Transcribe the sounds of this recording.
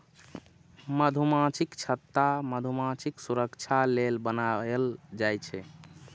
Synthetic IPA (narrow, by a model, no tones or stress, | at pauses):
məd̪ʱumãt͡ʃikt͡ʃʰət̪ːaməd̪ʱumãt͡ʃʰiksuɾəkt͡ʃʰalelbənaeld͡ʒajt͡ʃʰɛ